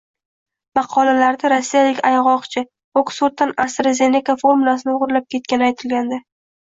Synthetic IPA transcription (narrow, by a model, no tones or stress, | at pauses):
mɑqʰɒlalaɾd̪aɾasːijalɪkʲajʁɒqt͡ʃʰɪ | oksuɾt̪ːanast̪ɾazʲe̞nekafoɾmʊlˠas̬ɪnɪʊʁɾlap̚kʲʰe̞t̪̚kʲanɪajt̪ʰɪlɡʲand̪a